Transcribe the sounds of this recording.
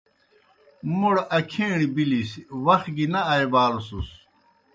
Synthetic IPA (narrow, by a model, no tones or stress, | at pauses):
muɽɐkʰeːɳibilisiwɐxɡinɐɐjbaːlosus